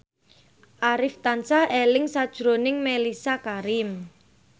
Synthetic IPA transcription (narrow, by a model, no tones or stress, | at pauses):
ʔaɾɪft̪ansaʔelɪŋsad̥ʒ̥ɾonɪŋmelisakaɾɪm